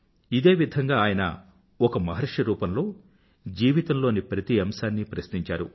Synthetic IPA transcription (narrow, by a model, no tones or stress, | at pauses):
id̪e̞ːʋid̪ʱɐŋɡaːjɐnɐ̰ | ɔkɐmɐɦɐɾɐʂɐɾuːpɐmlo̞ː | d͡ʒiːʋit̪ɐmlo̞ːnipɾɐt̪iɐmsaːnːipɾɐsniɲt͡ʃaːɾṵ